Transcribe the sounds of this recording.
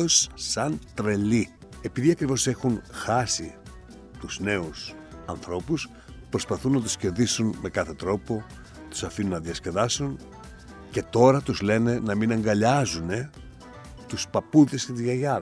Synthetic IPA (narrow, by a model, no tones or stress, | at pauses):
osːɐnt̪ɾe̞li | e̞piðiɐkɾivo̞se̞xunxɐsi | t̪uzne̞us | ɐ̰nθɾo̞pus | pɾo̞spɐθunːɐt̪̬usce̞ɾðisunme̞kɐθe̞t̪ɾo̞po̞ | t̪u̥sɐfinunːɐðiɐsce̞ðɐsun | ce̞t̪o̞ɾɐt̪uzle̞ne̞nɐminɐŋɡɐʎɐzune̞ | t̪uspɐpuðe̞scet̪izʝɐʝɐɾ